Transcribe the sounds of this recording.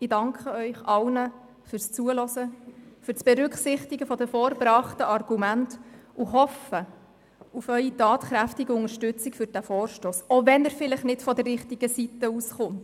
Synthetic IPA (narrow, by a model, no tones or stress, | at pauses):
ɪdɑŋkχəœʏχɑlnə | fyɾst͡suəlɔsəfyɾsb̥ɛɾʉkχsɪχtiɡəfɔdɛfɔːɾbɾɑːχtəɑrɡ̥umæntuɦɔfə | ufœʏitɑːtχɾæftiɡəʊŋəʃtʉt͡sikfʏɾd̥æfɔːɾʃtoːsoʋɛnəɾfɪləχnɪtfɔdərːɪχtiɡ̥əsitəusχʊnt